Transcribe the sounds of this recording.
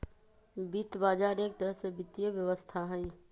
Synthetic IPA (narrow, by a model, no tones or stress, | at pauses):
bit̪baːd͡ʒaːneːk̚t̪əɾəɦsebɪt̪ijəʋjəʋəst̪ʰaɦə̃ĩ